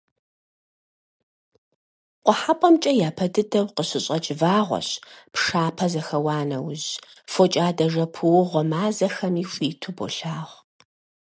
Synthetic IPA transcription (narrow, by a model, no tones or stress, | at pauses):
qʷɔħapʼɔmt͡ʃʼɐjaːpʰɐdɨdɐwqəɕɪɕʼɐt͡ʃʼɪvaːʁʷɔ̰ɕpʂaːpʰɐzɐxɐwɑːnɐwz | fot͡ʃʼaːdɐʐɐpʰɨwʊʁʷɔmaːzɐxɐmiːfʷiːtʰʊbo̰ɬaːʁʷ